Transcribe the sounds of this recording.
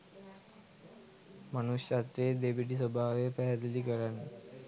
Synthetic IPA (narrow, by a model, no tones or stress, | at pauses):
manusjat̪ɾeːd̪ebiʈis̬əbʱaːʋeəpæɦæd̪ulikəɾanːə